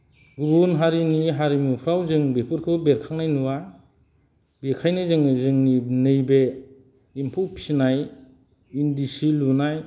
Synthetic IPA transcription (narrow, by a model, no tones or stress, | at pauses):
ɡubunɦaɾiniɦaɾimupʰɾawzɯŋbepʰuɾkʰɯbeɾkʰaŋnajnuwa | bekʰajnɯzɯŋnɯzɯŋninɯjbe | impʰuwpʰinaj | indisilunaj